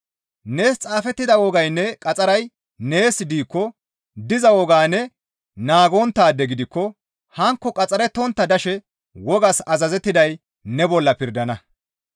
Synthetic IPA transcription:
neːst͡sʼaːfɛt̪ːɪd̪ɐwɔɡɐjnːɛkʼɐt͡sʼɐɾɐj | ne̞ːsɪd̪iːkːɔ | d̪ɪzɐwɔɡaːnɛ | naːɡɔnt̪ːaːd̪ːɛɡɪd̪ɪkːɔ | hɐŋkːɔkʼɐt͡sʼɐɾɛt̪ɔnt̪ːɐd̪ɐʃɛ | wɔɡɐsɐzɐzɛt̪ːɪd̪ɐj | nɛbɔlːɐpɪɾd̪ɐnɐ

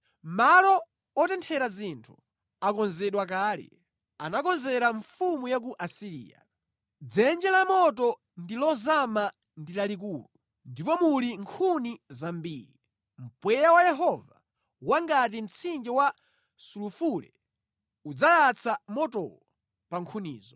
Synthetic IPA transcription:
malɔ | ɔtɛntʰɛɾazintʰu̥ | akɔnzɛɗwak̬aːlḭ | a̰nakɔnzɛɾaɱfumujak̬uʔasiɾḭːja̰ | d͡zɛnd͡ʒɛlamɔtɔ | ndilɔzama | ndilalik̬uːlu | ndipɔmuliŋkʰunizambiːɾi | m̩pwɛjawajɛɦɔva | waŋɡatim̩t͡sʰind͡ʒɛwa | sulufulɛ̰ | ud͡zajat͡sʰamɔtɔ̰wɔ | paŋkʰunḭːzɔ

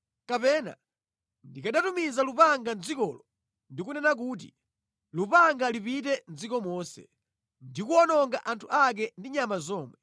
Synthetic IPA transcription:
kapɛna̰ | ndikaɗatumizalupaŋɡand͡zikɔːlɔ | ndikunɛnak̬uːt̬ḭ | lupaŋɡalipitɛn̩d͡zikɔmɔːsɛ̰ | ndikuɔnɔŋɡaʔantʰuʔak̬ɛndiɲamazɔːmwɛ

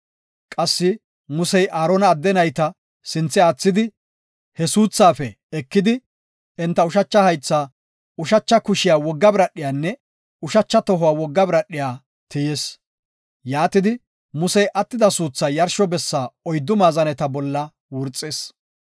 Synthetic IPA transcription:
kʼɐsːɪ | mʊsɛjʔaːɾɔnɐːd̪ːɛnɐjt̪ɐ | sɪnt͡sːɪaːt͡sːɪd̪ɪ | hɛsuːt͡sːaːfɛ | ɛkːɪd̪ɪ | ɪnt̪ːɐʊʃɐt͡ʃːɐhɐjt͡sːaː | ʊʃɐt͡ʃːɐkʊʃɪjaːwɔɡːɐbɾɐɗːɪjaːnːɛ | ʊʃɐt͡ʃːɐt̪ɔɦʊwaːwɔɡːɐbɾɐɗːɪjaː | t̪ɪjeːs | jaːt̪ɪd̪ɪ | mʊsɛjʔɐt̪ːɪd̪ɐsuːt͡sːaːjɐɾʃɔbɛsːaːɔjd̪ːʊmaːzɐnɛt̪ɐbɔlːɐ | wʊɾt͡sʼːeːs

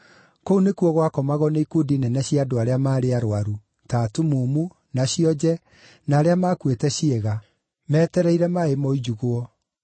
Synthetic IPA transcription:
kounekuɔɣwakɔmaɣɔneikodinɛnɛɕjiadoaɾeamaːɾeaɾoaɾu | taːtumumu | naɕiɔd͡ʑɛ | naːɾeamaːkwetɛɕieɣa | mɛtɛɾɛiɾɛmaemɔid͡ʒuɣoɔ

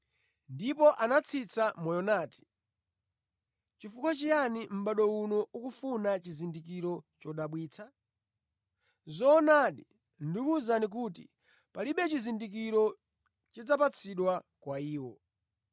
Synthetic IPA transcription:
ndipɔʔanat͡sʰit͡sʰamɔjɔnaːti̥ | t͡ʃifukwat͡ʃijanim̩ɓaɗɔunɔukufunat͡ʃizindikiɾɔt͡ʃɔɗaɓwiːt͡sʰa | zɔːnaɗḭ | ndikuzanik̬uːtḭ | paliɓɛt͡ʃizindik̬iɾɔ | t͡ʃid͡zapat͡sʰiɗwakwaiːwɔ

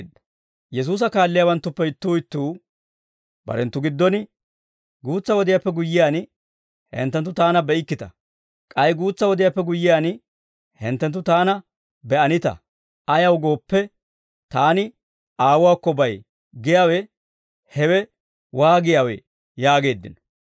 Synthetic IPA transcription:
d̪ɐ | jɛs̬uːs̬ɐkaːlːɪjaːwɐnt̪ːʊpːɛɪt̪ːʊːɪt̪ːuː | b̥ɐ̰ɾɛnt̪ːʊɡɪd̪ːɔnɪ | ɡuːt͡sːɐwɔd̪ɪjapːɛɡʊjːɪjaːn | hɛ̰nt̪ːɛnt̪ːʊt̪aːnɐbɛɪkːɪt̪ɐ | kʼɐjɡuːt͡sːɐwɔd̪ɪjaːpːɛɡʊjːɪjaːn | hɛ̰nt̪ːɛnt̪ːʊt̪aːnɐ | bɛɐnɪt̪ɐ̰ | ɐjɐwɡo̞ːpːɛ | t̪aːnɪ | aːwʊwaːkːɔbɐj | ɡɪjaːwɛ | hɛwɛ | waːɡɪjaːwɛ̰ | jaːɡe̞ːd̪ːɪ̰nɔ̥

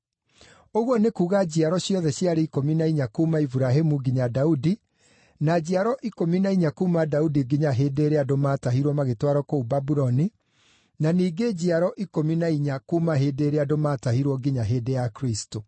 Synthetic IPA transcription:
oɣwɔnekuːɣad͡ʑiaɾɔɕjɔðɛɕjiaɾɛikominaiɲakumaifuɾaɦemuɡiɲadaudi | nad͡ʑiaɾɔʔikominaiɲakumadaudiɡiɲaɦedeːɾeadomataɦiɾwɔmaɣetwaɾɔkoubabuɾɔni | naniːɡed͡ʑiaɾɔʔikominaiɲakumaɦedeːɾeadomatahiɾwɔɡiɲaɦeːdejakɾisto

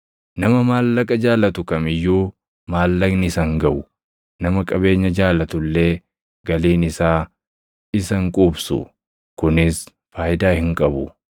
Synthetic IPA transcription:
nɐmɐmaːlːɐkʼɐd͡ʒaːlɐt̪ʊkɐmɪjːuː | maːlːɐɡnɪɪsɐŋɡɐʔʊ | nɐmɐkʼɐβe̞ːɲːɐd͡ʒaːlɐt̪ʊlːe̞ː | ɡɐliːnɪsaː | ɪsɐŋkʼubsʊ̰ | kʊnɪs | faːjɪd̪aːhɪŋkʼɐbʊ

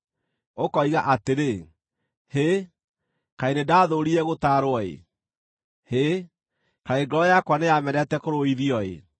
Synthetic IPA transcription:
okɔiɣaʔateɾe | he | kainedaːðoɾiɛɣotaɾoɔḛ | he | kaeɡɾɔjakwanejamɛɾɛtɛkoɾoiðiɔḛ

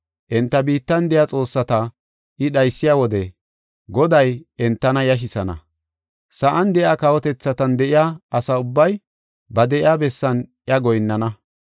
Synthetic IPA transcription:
ʔɛnt̪ːɐbiːt̪ːɐnd̪ɛjat͡sʼo̞ːsːɐt̪ɐ | ɪɗɐjsːɪjaːwɔd̪ɛ | ɡɔd̪ɐjɛnt̪ːɐnɐjɐʃ̬ɪsɐnɐ̰ | sɐʔɐnd̪ɛjaːkɐwɔt̪ɛt͡sːɐt̪ɐnd̪ɛʔɪjaːɐsɐʊbːɐj | bɐd̪ɛʔɪjaːbɛsːɐnʔjɐɡɔjnːɐnɐ

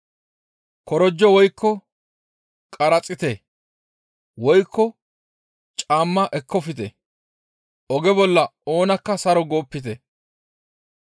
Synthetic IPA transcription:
kɔɾɔd͡ʒːɔwɔjkːɔ | kʼɐɾɐt͡sʼːɪt̪e | wɔjkʰːɔ | t͡ʃʼaːmːɐʔɛkːɔfɪt̪ɛ̰ | ɔɡɛbɔlːɐo̞ːnɐkːɐsɐɾɔɡo̞ːpːɪt̪̬ɛ

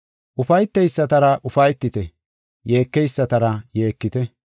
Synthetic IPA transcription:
ʔʊfɐjt̪ːɛjsːɐt̪ɐɾɐʔʊfɐjt̪ːɪt̪ɛ | je̞ːkːɛjsːɐt̪ɐɾɐje̞ːkːɪt̪ɛ

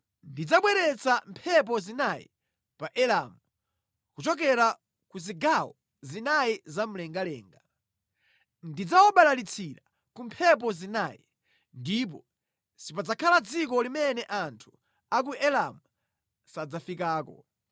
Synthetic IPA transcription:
ndid͡zaɓwɛɾɛt͡sampʰɛp̬ɔzinajḭ | paʔɛlamu | kut͡ʃɔk̬ɛɾa | kuziɡawɔ | zinajizam̩lɛŋɡalɛ̰ːŋɡa | ndid͡zawɔɓalalit͡sʰiɾa | kumpʰɛp̬ɔzinaːjḭ | ndip̬ɔ | sipad͡zakʰalad͡zik̬ɔlimɛnɛʔantʰu̥ | ak̬uɛlamu | sad͡zafikaːkɔ̰

